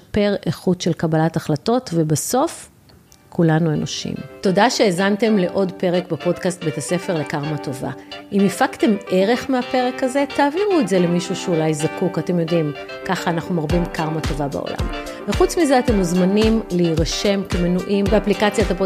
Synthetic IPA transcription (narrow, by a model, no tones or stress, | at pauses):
pe̞ʁeχutʃe̞lkabalataχlato̞tvebaso̞f | kulanue̞no̞ʃḭmto̞daʃeːzamte̞mle̞ʔo̞dpe̞ʁekbapo̞dkast̪̚bet̪ase̞fe̞ʁle̞kaʁmato̞va̰ʔimifakte̞mʔe̞ʁe̞χmeape̞ʁe̞kaze̞taːviʁuetze̞le̞miʃuʃeulajzakukate̞mjo̞dim | kaχaːnaχnumaʁbimkaʁmato̞vaba̰o̰lʔa̰m | veχut͡smize̞ate̞muzmanimleiʁaʃe̞mkemenuʔimbeaplikat͡sjat̪apo